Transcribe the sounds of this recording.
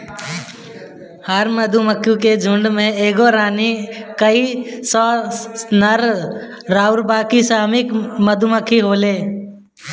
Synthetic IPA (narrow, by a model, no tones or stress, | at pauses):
həɾməd̪ʱuməkʰːjũked͡ʒʱʊɳɖmẽeːɡoɾaːnikəisɔːnəɾɾaːʊɾbaːkisaːmɪkməd̪ʱuməkʰiɦoːleː